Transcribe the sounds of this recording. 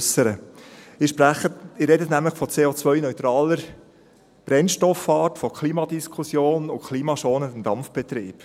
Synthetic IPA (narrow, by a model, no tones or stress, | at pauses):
səɾəɪʃpɾæχətɪɾɛdətnæmləχfɔt͡seːot͡sʋœʏnœʏtɾɑːləɾ | b̥ɾɛnʃtɔfːɑːrtfɔkʰliːmɑdiskʰʊsjoːnʊkʰliːmɑʃoːnəmd̥̪ɑmfb̥ɛt̪ɾḭːp